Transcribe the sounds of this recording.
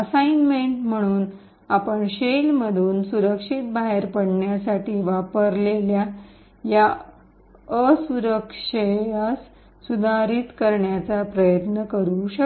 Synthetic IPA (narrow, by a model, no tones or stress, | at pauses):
əsainmeɳʈm̤əɽ̃uːn | apəɳɕelm̤əd̪ʱuːnsuɾəkʂiːt̪̚baɦeɾpəɽɳjasaʈiːʋapəɾlelja | ja | əsuɾəkʂəjasː | ud̪ʱaɾit̪kəɾɳjat͡sapɾəjət̪nəkəɾuɕək